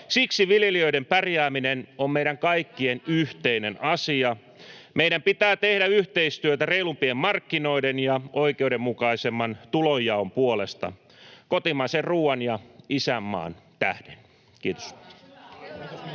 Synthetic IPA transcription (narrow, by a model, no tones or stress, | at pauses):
siksiʋiljelioidempærjæːminenommeiɾæŋkɑikːienyht̪einenʔɑsiɑ | meiɾæmpit̪æːt̪ehdæyht̪eist̪yøt̪æreilumpiemːɑrkːinoidenjɑoikeuɾemmukɑisemːɑnt̪ulojːɑompuolest̪ɑ̰ | kot̪imɑserruːɑnjɑisæmːɑ̰ːnt̪æ̰hd̥en | kiːt̪o̥s